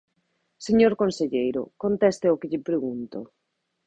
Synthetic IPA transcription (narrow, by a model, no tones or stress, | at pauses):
seɲoɾkonseʎejɾʊ̰kont̪ɛst̪ɪʊkɪʎɪpɾeɣunt̪ʊ